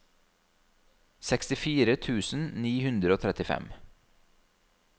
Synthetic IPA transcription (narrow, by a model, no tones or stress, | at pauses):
sɛkst̪ɪfiːɾət̪ʰʉːsn̩niːhʉnd̪ɾəoːt̪ʰɾɛt̪ɪfɛ̰m